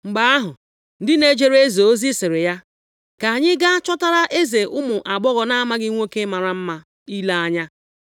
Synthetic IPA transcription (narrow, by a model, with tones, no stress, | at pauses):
ŋ͡m̩˨ɡ͡ba˦a˦ɦʊ˨ | n̩˦dɪ˦ne˦d͡ʒe˦ɾe˦zo˨o˦zi˦sɪ˨ɾɪ˨ja˦ | ka˨a˨ɲɪ˦ɡa˦a˦t͡ʃɔ˦ta˦ɾa˦ʔe˦ze˨ʔʊ˦mʊ˨ʔa˨ɡ͡bɔ˦ɣɔ˨na˦a˦ma˦ɡɪ˦ŋʷo˦ke˦ma˨ɾa˨m̩˦ma˦ | i˦la˦a˦ɲa˦